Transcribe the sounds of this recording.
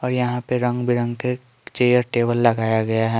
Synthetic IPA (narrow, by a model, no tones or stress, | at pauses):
ɔːɾjɐɦãpeɾɐ̃ŋɡbʱiɾə̃ŋɡke | t͡ʃeːjəɾʈeːbəlːɐɡaːjaɡɐjaɦɛ